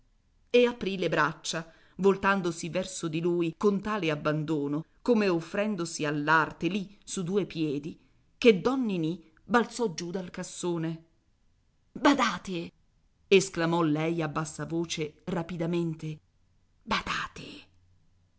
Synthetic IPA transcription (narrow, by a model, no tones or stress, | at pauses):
eapɾilebɾat͡ʃːa | volt̪and̪osivɛrsod̪iluːjkont̪aːleabːand̪oːno | komeofːɾɛnd̪osialːart̪elisud̪uːepjɛːd̪i | ked̪ːɔnːini | balt̪sɔd͡ʒud̪alkasːoːne | bad̪aːt̪e | esklamɔlɛjabːasːavoːt͡ʃerapid̪ament̪e | bad̪a̰ːt̪e